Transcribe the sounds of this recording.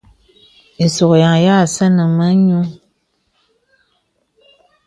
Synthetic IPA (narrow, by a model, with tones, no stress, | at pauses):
e˨so˨kja˨ŋja˦˨sə˦nə˨mə˦ɲu˦